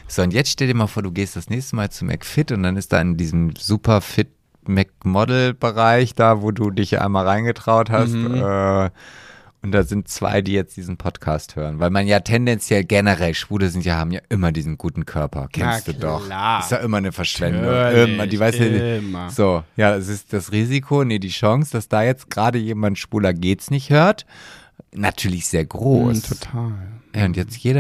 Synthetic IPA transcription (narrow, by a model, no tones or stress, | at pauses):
z̥oːʊntjɛt͡stʃtɛldiɐmaːlfoːɐduːɡeːstd̥asnɛːçstəmaːlt͡sumʔɛ̰kfɪtʊntd̥anɪst̚d̥a̰ːɪndiːzəm̩zuːpɐfɪt̚ | mɛk̚mɔdl̩b̥əʁaɪçd̥aːvoːduːdɪçʔa̰ɪnmaːlʁaɪnɡətʁ̥aʊthastʔɛː | ʔʊnt̚d̥aːzɪntt͡sv̥a̰ɪdiːjɛt͡st̚d̥iːzn̩pʰɔtkʰaːsthøːʁənvaɪlmanjaːtʰɛndɛnt͡sjɛlɡɛnəʁɛlʃv̥uːləzɪntjaːhaːbm̩jaːʔɪmɐdiːzn̩ɡuːtn̩kʰœɐpʰɐ̰kʰɛnsttd̥uːdɔχɪstjaːʔɪmɐnəfɛɐʃv̥ɛndʊŋʔɪmɐdiːvaɪsuz̥oːjaːdas̬ɪstd̥asʁiːzikʰonədiːʃɔŋsd̥asd̥aːjɛt͡st̚ɡ̥ʁaːdəjeːmantʃv̥uːlɐɡeːtsnɪçthøːɐt | natʰyːɐlɪçz̥eːɐɡʁoːstʰotʰaːljaːʊntjɛt͡stjeːɾɐ